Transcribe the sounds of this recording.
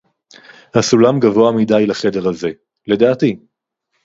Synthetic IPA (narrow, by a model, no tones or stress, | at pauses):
hasulamɡavoamidajlaχe̞de̞ʁhaze̞ | le̞daːti